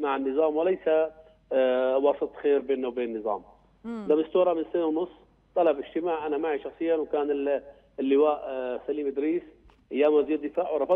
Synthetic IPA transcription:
maʕɪnːɨzˤɑːmwɪlajsa | wɑsˤɨt̪ˤxeːɾbeːnːawbeːnɪnːɨzˤɑ̰ːm | d̪amɪst̪uːɾˤɑmɪnsɪːnawnʊsˤː | t̪ˤɑlɑbʔɪʒt̪ɪmaːʕʔanamaʕiʃɑxsˤɨjːanwkaːnɪl | lːɪwaːʔsaliːmʔɪd̪ɾiːs | ʔajːaːmaziːd̪ɪfaːʕwɾˤɑfɑˤ

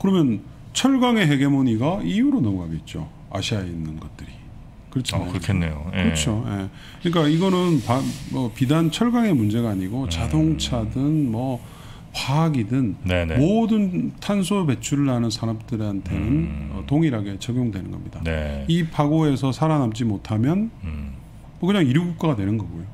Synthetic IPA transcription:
kɯɾʌmjʌn | t͡ɕʰʌɭɡaŋe̞ɦe̞ɡe̞moɲiɡaijuɾonʌmuɦaɡe̞it̚t͡ɕ͈o̰ | a̰ɕʰiaeinːɯnɡʌt̚t͈ɯɾi | kɯɾʌt͡ɕʰiɯɾkʰenːeokɯɾʌt͡ɕʰoje̞ | kɯɲik͈aiɡʌnɯnpamʌpidant͡ɕʰʌɭɡaŋe̞mund͡ʑe̞ɡaːɲiɡot͡ɕadoŋt͡ɕʰadɯnmʌ | paaɡidɯnnenmodɯntʰansʰope̞t͡ɕʰuɾɯɭːanɯnsʰaɾamtɯɾantʰe̞nɯnʌ̰toŋiɾaɡe̞t͡ɕʌɡjoŋdwe̞nɯnɡʌmɲidanipaɡoe̞sʰʌsʰaɾanap̚t͡ɕ͈imotʰamjʌn | mʌkɯɲaŋiɾɯɡuk̚k͈aɡadwe̞nɯnɡʌɡojo

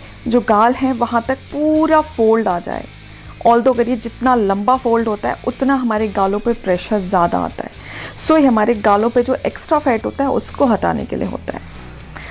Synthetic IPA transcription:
d͡ʒoːɡaːlɦɛ̃ʋɐɦãt̪ɐk̚puːɾafoːlɖaːd͡ʒa̰ːḛ | ɔːld̪oɡɐɾied͡ʒɪt̪nalɐ̃mbafoːlɖɦoːt̪aɦɛ̰ʔʊt̪naɦɐmaːɾeɡaːlõpepɾɛːʃəɾzjaːd̪a̰a̰ːt̪a̰ɦɛːsoːiɦɐmaːɾeɡaːlõped͡ʒoːʔeːksʈɾafɛːʈɦo̰ːt̪aɦɛʊ̰skoɦɐʈa̰ːnḛkḛlḭḛɦo̰ːt̪a̰ɦɛ̰ː

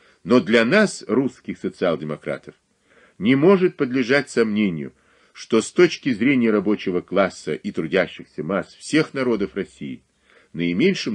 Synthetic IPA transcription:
no̞d̪lʲɐnasruskʲɪxsət̪sɨalˠdʲɪmɐkɾa̰t̪əf | nʲɪmo̞ʐɨt̪̚pəd̪lʲɪʐatʲsɐmnʲenʲɪjʊ̰ | ʂt̪o̞st̪o̞t͡ɕkʲɪzɾʲenʲɪjəɾɐbo̞t͡ɕɪvəklˠasːə̰ʔit̪ɾʊdʲæɕːɪxsʲəmasfsʲe̞xnɐɾo̞d̪əfrɐsʲijɪ̰ | nəɪmʲenʲʂɨm

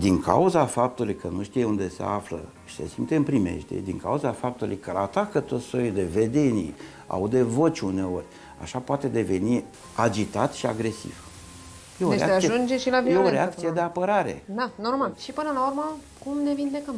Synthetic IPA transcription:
d̪iŋkʰa̰uzafap̚t̪ulujkənuʃt̪ijeund̪e̞se̞̰aflə̰ | ʃi̥se̞̰simt̪eɨmpɾime̞̰ʃt̪ḛd̪iŋka̰uzafap̚t̪ulujkəlat̪akət̪o̞t̪ssojid̪e̞ve̞d̪e̞nḭ | a̰wd̪e̞vo̞t͡ʃʲune̞o̞rʲ | a̰ʃapoat̪e̞d̪e̞ve̞ni | ad͡ʒit̪at̪ʃiaɡɾe̞sḭv̥ | jeoɾeḛaeasieʒund͡ʒeʃilavijeoeɾeakt̪ijed̪e̞apəɾaɾe̞̰d̪anormalʃipɨnəlaurmə | kumne̞vind̪e̞kəm

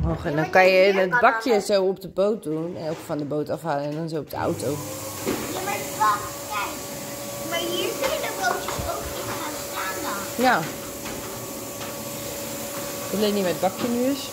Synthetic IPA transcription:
ɦɔχɛndɔnkɑnjəət̚bɑkjəzowɔp̚dəbowt̚dunɛnowkfɑndəbowtɑfɦaːlənɛndɔnzowɔp̚dəa̰wtow | jama | ja | maɹjiziədəbowtəsowkimənastaːndɑnja | d̥ətlejnimɛəd̚bɑkjənyəs

